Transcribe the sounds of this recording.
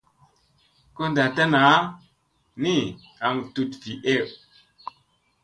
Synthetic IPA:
ko˦nda˨ta˦na˨˦ | ni˦˨ | a˨ŋtu˨tfi˨e˦˨w

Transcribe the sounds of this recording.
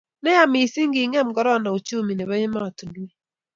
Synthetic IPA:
nɛ˦ja˨mɪ˨si˦ŋ˦ɡɪ˨ŋɛ˦m̩˨ɡɔ˦ɾɔ˦˨na˨o˨t͡ʃo˦˨mi˨ne˨βa˦jɪ˦ma˦ɔ˨tu˨dwe˦

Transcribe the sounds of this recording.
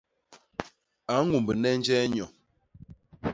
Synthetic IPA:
a˨˦ŋu˨mbə˨nɛ˦n˦d͡ʒɛ˦ɲɔ˨

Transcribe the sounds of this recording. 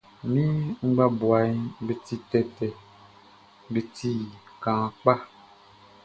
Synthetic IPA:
mĩ˦ŋ͡m̩˦ɡ͡ba˦bu˨a˨˦be˨ti˦tɛ˨tɛ˨ | be˨ti˦˨kã˨k͡pa˦

